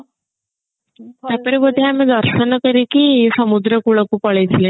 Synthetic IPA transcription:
t̪apəɾibəd̪ʱiamẽd̪əɾʃənɔkəɾikisəmud̪ɾəkuɭəkupəɭet̪ʰilẽ

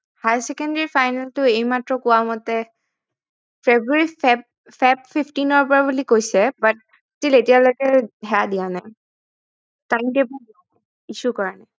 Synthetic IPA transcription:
hajsɛkɛndɛɹifajnaltʊejmatɹɔkʊwamɔtɛ | fʰebɹuɔɹi | pʰɛp̚fʰiptinɔɹpɔɹabulikojsɛbat̚ | tiletijalojkɛɦɛjadianaj | tajmtebdia | isukɔɹanaj

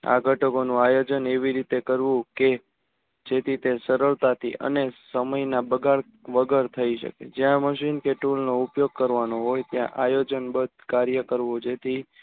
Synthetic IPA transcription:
a̰ɡʱəʈəkonũajod͡ʒəneʋiɾit̪ekəɾʋũke | d͡ʒet̪ʰit̪esəɾəɭt̪at̪ʰḭʔə̰nesəməjnabəɡaɭ | ʋəɡəɾt̪ʰəiʃə̰kḛd͡ʒjãməʃinkeʈulnoupjoɡ̚kəɾʋanoɦojt̪jã̰ʔajod͡ʒənbəd̪̚ʱkaɾjəkəɾʋod͡ʒet̪ʰi

